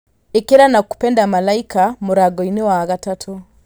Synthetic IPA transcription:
ekeɾanaku̥pɛndamalaikamoɾaɡɔinewaɣatatʰo

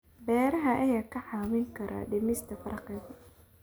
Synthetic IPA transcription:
bɛːɾɐɦɐʔɐjaːkʰɐħɑːwɪŋkʰɐɾʔa̰ːɖɪmɪst̪ʰɐfɐrqɪðɐ

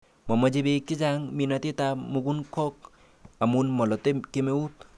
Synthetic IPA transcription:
mɔmɐd͡ʒebekid͡ʒaŋminat̪it̪amuɡunkʰɔk̚ | amunmɔlɔt̪ekemeut̪̚

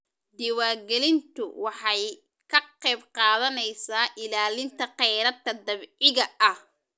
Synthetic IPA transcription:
d̪ɪwaːrɡɛlɪnt̪ʰʊ̰wɑħɑj | kʰɐqɛjbqɑːðɐnɛjsaːʔɪlaːlɪnt̪ʰɐqɛjɾɐd̪̚kʰɐd̪ɐβɪɣɐʔɐh

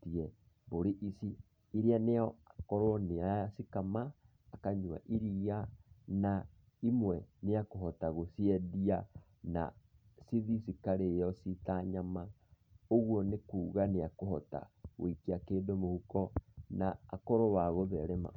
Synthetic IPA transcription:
tiɛ | boɾiʔisiː | ɾianeɔakɔɾɔneasikamaː | kaɲua̰ʔiɾiana | imwɛneakoɦɔtaɣosiɛdia | na̰ | siðisikaɾeːjɔsitaɲamaoɣwɔnekuːɣaneakohɔta̰ɣo̰ikiakeːdomohukɔnaːkɔɾɔwaɣoβɛɾɛma̰

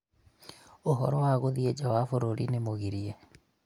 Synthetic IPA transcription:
oɦɔɾɔwaɣoðied͡ʒawafoɾoɾinemoɣiɾiɛ

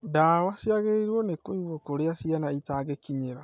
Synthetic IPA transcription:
dawasiaɣeiɾwɔnekoiɣwɔkoɾeasianaitaɡekiɲeɾa

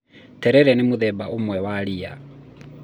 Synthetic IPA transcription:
tɛɾɛɾɛnemuðɛbaʔomwɛwaɾia̰

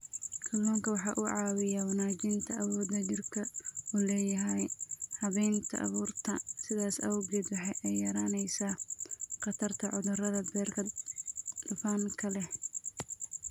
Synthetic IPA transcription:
kʰɐlːɔːŋkʰɐwɑħɑːʔʊʕɑːwɪjawɑnaːt͡ʃɪnt̪ʰɐʔɐwɔːd̪ɐd͡ʒɪrkʰɐuːlɛːjɐɦɛjhɐβɛjnt̪ʰɐ̰ʔɐ̰βuːrt̪ʰɐsɪðaːsɐ̰wɔɡɛːd̪wɑħɑjʔɛjːɐɾaːnɛjsaːqɑt̪ʰɐrt̪ʰɐʕʊðʊrɐðɐbɛːrkʰɐ | d̪ʊfaːŋkʰɐlɛh

